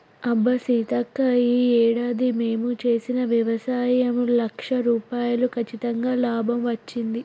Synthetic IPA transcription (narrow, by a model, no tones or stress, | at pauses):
ɐbːɐsit̪ɐkːɐiːɛːɽaːd̪ime̞ːmut͡ʃe̞ːsinɐʋjɐʋɐsaːjɐmlɐkʂɐɾuːpaːjɐlukʰɐt͡ʃːit̪ɐŋɡaːlaːbʱɐmʋɐt͡ʃːind̪i